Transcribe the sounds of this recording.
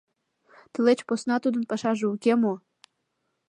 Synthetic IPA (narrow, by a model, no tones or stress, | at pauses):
t̪ə̆let͡ɕposnɑt̪ud̪ə̆npɑʃɑʒeukʲemo